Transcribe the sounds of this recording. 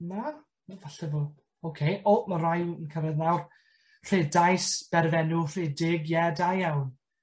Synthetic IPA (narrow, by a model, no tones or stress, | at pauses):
na | vaɬɛvo̥ | owkʰejʔɔmarajənkʰəɾɛðnawr | r̥ɪdajsb̥ɛɾvɛnʊr̥ɪːdɪɡjɛdajawn